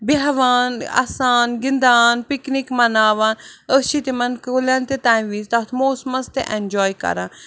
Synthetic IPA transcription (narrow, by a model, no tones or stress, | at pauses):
beɦɐʋaːna̰ːsaːnɡɪnd̪aːnpiknikmɐnaːʋaːnəʃit̪emɐnkolãːnt̪et̪ãːnʋiːzt̪ɐt̪ʰmoːsmɐnst̪ḛʔend͡ʒɔːjkɐ̰ɾãː